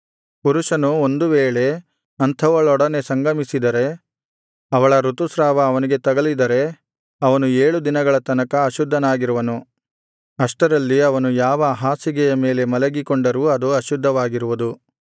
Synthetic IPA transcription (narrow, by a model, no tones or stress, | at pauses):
puɾuʂɐnuond̪uʋeːɭe̞ | ɐnt̪ʰɐʋɐɭɔɽɐne̞sɐŋɡɐmisid̪ɐɾe̞ | ɐʋɐɭɐɾut̪usɾaːʋɐːʋɐniɡe̞t̪ɐɡɐlid̪ɐɾe̞ | ɐʋɐnueːɭud̪inɐɡɐɭɐt̪ɐnɐkɐːʃud̪ʱːɐnaːɡiɾuʋɐnu | ɐʂʈɐɾɐlːiɐʋɐnujaːʋɐɦaːsiɡɛjɐme̞ːle̞mɐlɐɡikoɳɖɐɾuɐd̪uɐʃud̪ʱːɐʋaːɡiɾuʋud̪u